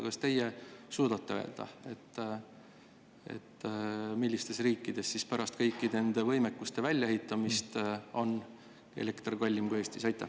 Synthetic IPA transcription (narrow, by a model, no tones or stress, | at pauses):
kɑst̪e̞jesuːd̪̥ɑt̪ːe̞ø̞e̞ld̪̥ɑ̰e̞t̪ː | e̞̰t̪ːmilʲːist̪e̞sriːkːˑid̪̥e̞sːispæɾɑst̪kɤjkˑːine̞nd̪̥e̞vɤjme̞kːˑust̪e̞vælʲːɑehit̪ːˑɑmist̪o̞n | e̞̰le̞kt̪rɡɑlʲːimɡ̥oe̞ːsʲt̪isɑjt̪ˑːɑ̰̥